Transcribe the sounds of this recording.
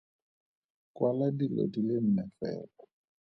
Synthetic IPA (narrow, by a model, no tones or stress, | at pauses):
kwaladilḛdilem̩mɛfɛ̰ːlɔ